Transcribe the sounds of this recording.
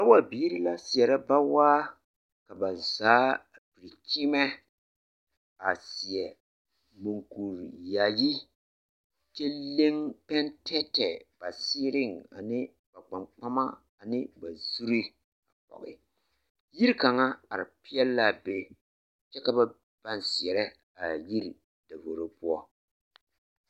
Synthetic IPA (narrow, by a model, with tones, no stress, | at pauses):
ka˦wa˦biː˦ɾi˦la˦sɪ˨ɛ˨ɾa˦ba˦waː˦ | ka˨ba˨zaː˨˦ | pi˨ɾi˨ki˦mɛ˦ | a˨si˨ɛ˨ | mo˨ŋku˨ɾja˨ji˦ | t͡ʃɛ˦le˦ŋpɛ˦ntʰɛ˦tɛ˨b̥a˨si˦ɾɪ˦˨ŋa̰˨nɪ˦ | ba˨k͡pa˨mk͡pa˦ma˦ | a˨nɪ˦ba˨zu˦ɾi˦ | a˨pɔ̰˨ɣɪ̰˨ | ji˦ɾi˦ka˨ŋa˦a˨ɾɪ˨pi˦ɛ˦lla˦be˦ | t͡ʃɛ˦ka˦ba˦ | b̥a˦nsi˨ɛ˨ɾɛ˦ | a˨ji˦ɾi˨ | d̥a˨vo˨ɾo˦pʊ˦ɔ˦